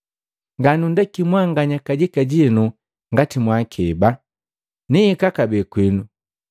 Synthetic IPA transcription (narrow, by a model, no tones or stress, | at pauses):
ŋɡanundɛkimwaŋɡaɲakaɟikaɟinu | ŋɡatimwakʰɛba | niikakabɛkwinu